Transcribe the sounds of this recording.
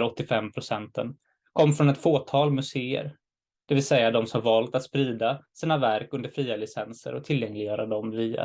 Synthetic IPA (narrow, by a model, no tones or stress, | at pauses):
ɾɔt̪ːɪfɛmːpʰɾʊsɛnt̪ən | kʰɔmːfɾɔnɛt̪foːt̪ʰɑːlmɵseːə̰ɾ | d̪̥ɛvɪlsɛjːad̪ɔmsɔmhaɾvɑːlt̪at̪spɾiːd̪asiːnavæɾkɵnd̪əɾfɾiːalɪsɛnsə̰ɾɔt̪ʰɪljɛŋlɪɡjœːɾad̪ɔmviːa̰